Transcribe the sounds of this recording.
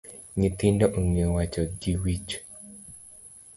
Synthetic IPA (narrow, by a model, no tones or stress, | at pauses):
ɲit̪indɔʔoŋewat͡ʃɔɡiwit͡ʃ